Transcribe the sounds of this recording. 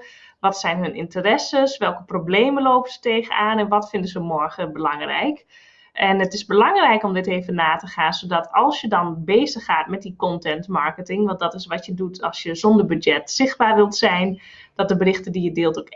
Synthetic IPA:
ʋɔtsɛjnɦɵnʔɪ̰ntərɛsəsʋɛlˠkəprobleːməloːpəsə̥teːɣənaːnɛnʋɔtfɪndəzəmɔɹɣəbəlɑŋrɛ̰jk | ʔɛnətɪzbəlɑŋrɛjkɔmdɪteːvənaːtəxaːnsodɔtʰɑlˠsjədɔnbeːzəxaːtmɛt̚dikɔntɛntmaɹkətɪŋʋɑ̃nt̚dɔtɪsʋɔtjədutʰɑlˠsjəzɔndərbydɛtsɪx̚baːrʋɪlˠtsɛjn | d̥ɔt̚dəbərɪxtədijədɪːlˠtok

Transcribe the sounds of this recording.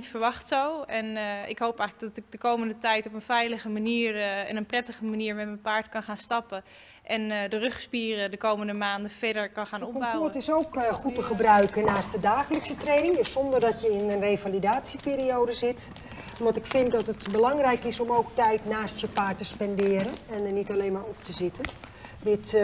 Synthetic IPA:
itfəɹʋɑxtsowɛnɪ̰kɦowpɛx̚dɔtɪk̚dəkowməndətɛjtopənfɛjləɣəmaniːrɛnənprɛtəɣəmaniːɹmɛtmənpaːɹtkɑnxaːnstɑpə | ʔɛndərøχspiːrədəkowməndəmaːndəfɛdəɹkɑnxaːnɔpbaɔtɪsowkχutəχəbrœɥkənaːst̚dədaːχələksətrejnɪŋdssɔndərdɑtjəɪnənrejvalidaːtsipɪːɾiowdəzɪt | ʋɑntɪkfɪntdɑtətbəlɑŋrɛjkɪsɔmowktɛjtnaːstjəpaːɹtəspɛndɪːəɾənɛnənitalejnmaːɔp̚təzɪtəndɪt

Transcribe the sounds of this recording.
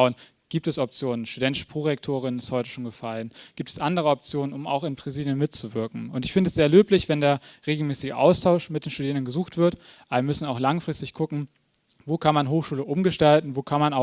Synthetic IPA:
ʊən | ɡ̥iːp̚tɛsɔp̚t͡sjoːnənʃtudɛntɪʃə̥pʁ̥oːʁɛktʰoːʁɪnɪsthɔʏtə̥ʃoːnɡəfalənɡ̥iːp̚tʰɛ̥sʔandəʁ̞əɔp̚t͡sjoːnənʊma̰ʊxɪnpʁ̥aziːljənmɪtt͡suvɪɐkŋ̩ʊntɪçfɪndəɛsz̥eːɐløːplɪçv̥ɛndeːɐʁeːɡl̩mɛːsɪɡəʔa̰ʊstʰaʊʃmɪtd̥eːnʃtudiːʁəndn̩ɡəzuːxtv̥ɪɐt | ʔanmʏsn̩aʊxlaŋfʁ̥ɪstɪçkʰʊkŋ̩ | voːkʰanmanɦoːxʃuːləʔʊmɡəʃtaltn̩voːkʰanmanaʊ

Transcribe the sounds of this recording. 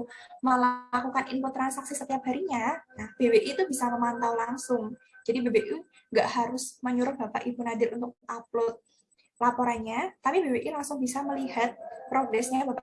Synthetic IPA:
məlakukanḭmpot̪ɾansaksisət̪iap̚ɦaɾiɲanahb̥ebeʔit̪ubisaməmant̪awlaŋsʊŋd͡ʒadibebeʔu | ŋɡaʔhaɾʊsməɲuɾʊhb̥apa̰ʔibunadɪɾʔunt̪ʊk̚ap̚lot̪̚ | lapoɾanɲat̪apibebeʔilaŋsʊŋbisaməliɦat̪̚pɾoɡɾɛsɲabapa

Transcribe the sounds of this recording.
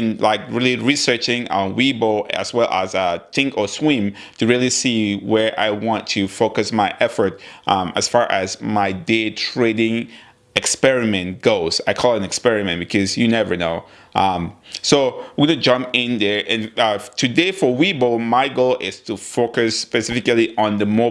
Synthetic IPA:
nlaɪkɹilˠiɹisɜ˞t͡ʃɪ̃ŋə̃nwiboʊʔɨ̰z̥wɛlˠʔə̰zʌtʰɪ̃ŋkəswɪ̃m | tʰɨɹilˠisiwə˞ʔa̰ɪwɑ̃ntʰɨfoʊkɨsmaɪʔɛfə˞t̚ʔʌ̃məsfɑɹʔɨzmaɪdetʰɹ̥eɾɪ̃ŋ | ɛkspɛɹɪmɨ̃nɡ̥oʊz̥aɪkʰɔlˠæ̃nɛkspɛɹɨmɨ̃nb̥ɨkʰʌzjɨnɛvə̰˞noʊ | ʔʌ̃msoʊwɪɡʌnɨd͡ʒʌ̃mpɪ̃nðə˞ʔɨ̃nʌtʰɨdeɪfə˞wiboʊmaɪɡolˠʔɪz̥tʰufoʊkɨspɨsɪfɪkliʔə̃nðəmo

